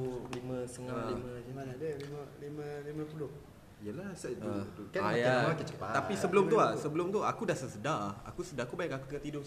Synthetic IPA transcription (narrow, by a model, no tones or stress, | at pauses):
ulimə̃səŋalimə̃d͡ʒimanadəliməlimə̃limə̃pulʊh | ijəlasədudukaajaaakat͡ʃəpaapisəbəlʊmt̪uasəbəlʊmt̪uakudasəsədaa̰kusədaakubajakakut̪əkat̪idʊ